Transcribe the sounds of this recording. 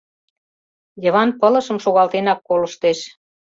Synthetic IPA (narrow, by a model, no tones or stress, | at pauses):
jɤ̆βɑnpɤlɤ̆ʃə̆mʃoɣɑlt̪enɑkːolə̆ʃt̪eʃ